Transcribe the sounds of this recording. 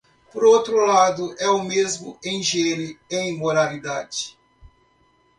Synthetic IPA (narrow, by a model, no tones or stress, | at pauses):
poɾowt̪ɾʊlad̪ʊʔɛʊmezmʊ̰ẽj̃ʒeɾɪẽĩmoɾalid̪ad͡ʒɪ̥